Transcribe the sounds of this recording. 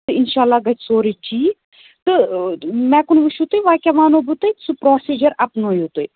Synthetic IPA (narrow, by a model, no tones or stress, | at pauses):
t̪ɨɪnʃaːlːaːɡɐt͡ʃʰsoːɾit͡ʃʰiː | t̪ɨ | mɛ̃ːkʊnʋuʃut̪ojʋaːkʲaːʋaːnoːbut̪ɐsɨpɾoːsiːd͡ʒɐɾɐpnoːjut̪oj